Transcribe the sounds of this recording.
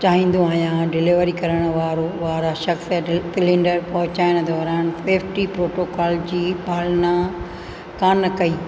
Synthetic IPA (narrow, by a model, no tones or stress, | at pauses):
t͡ɕaːɦĩːn̆d̪õaːɦjãɖɪlɪʋəɾikɐɾəɽ̃ʊ̆ʋaːɾoʋaːɾaʃɐxssɪlɪ̃ɳɖəɾpɐɦʊ̃t͡ɕaːɪɽ̃̆d̪ʱɔːɾaːnfeːfʈipɾoːʈoːkaːld͡ʑiːbʱaːlnã | kaːnɐkɐiː